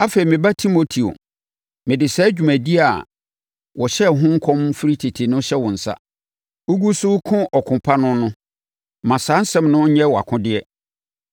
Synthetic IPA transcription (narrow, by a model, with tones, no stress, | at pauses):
a˦fe˨ɾi˨mɪ̃˨ba˦tʰi˦mo˨tʰi˨o̰˨ | mɪ̃˨dɪ˨sɛ˦d͡ʑᶣu˨mæ̃˨di˦a˨ | wɔ˨ɕɛ˦˨ɦʊ̃˦ŋ̩˦kʰɔ̃˦mfi˦ɾi˦tʰi˨tʰi˨nʊ̃˦ɕɛ˦wɔ̃˨n̩˨sa̰˦ | o˦ɡu˦sʊ˦kʰʊ̃˦ʔɔ˨kʰʊ̃˨pʰa˦nʊ̃˦nʊ̃˦ | mã˨sãː˨˦n̩˦sɛ̃˦˨mnʊ̃˦ɲɛ̃˦wɔ˨a̰˨kʰʊ̃˦dɪ˦ɛ˦